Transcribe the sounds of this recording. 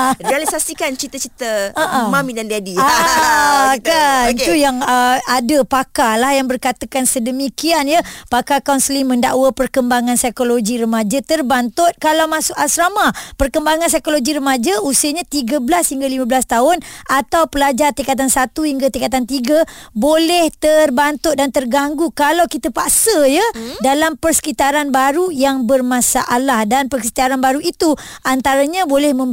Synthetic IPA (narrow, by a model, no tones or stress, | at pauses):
rialisasikant͡ʃit̪ət͡ʃit̪əaʔəmãmĩdandadia | tkaiujaŋəadəpakalahjaŋbərkat̪akansədəmikianjəpakakawnsəlimə̃nda̰ʔwapərkəmbaŋansajkoloɡiɾəmad͡ʒat̪ərbant̪ʊt̪̚kalawmãsʊkasɾamapərkəmbaŋans̬ajkoloɡiɾəmad͡ʒausiəɲat̪iɡablashiŋɡalimãbəlast̪aʊnʔat̪awpəlad͡ʒart̪ikat̪̬ansat̪uhiŋɡat̪ikat̪̬ant̪iɡabolɛht̪ərbant̪ʊt̪̚dant̪ərɡaŋɡukalawkit̪əpaʔsəjadalampərsə̥kit̪aɾanbaɾujaŋbərmãsaʔalahdanpərsə̥t̪iaɾanbaɾuʔit̪u | ʔant̪aɾaɲãbolɛhmə̃m